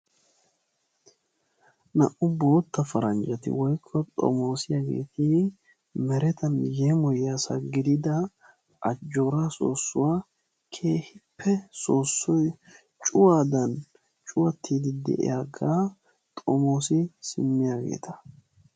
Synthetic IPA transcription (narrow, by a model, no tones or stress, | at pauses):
nɐ̰ʔʊbo̞ːt̪ːɐfɐɾɐnd͡ʒɐt̪ɪ̰wɔjkʰːɔt̪ʼɔ̰mo̞ːsɪjaːɡe̞̰ːt̪ʰi | mɛɾɛt̪ɐnjɛmɔjaːsɐɡɪd̪ɪd̪ɐ | ɐd͡ʒːoːɾaso̰ːsːʊwaː | kʰe̞ːhɪpʰːɛsoːsːɔj | t͡ʃʼʊwaːd̪ɐn | t͡ʃʼʊwɐt̪ʰːiːd̪ɪd̪ɛ̰ʔɪ̰jaːɡaː | t̪ʼɔmo̞ːsɪsɪ̰mːɪjaɡḛːt̪ʰɐ̥